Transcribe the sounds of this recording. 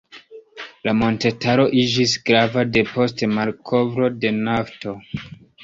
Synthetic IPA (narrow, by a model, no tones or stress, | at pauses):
lamo̞nte̞tʰaɾo̞ʔid͡ʒisɡɾavade̞po̞stmalkʰo̞vɾo̞de̞nafto̞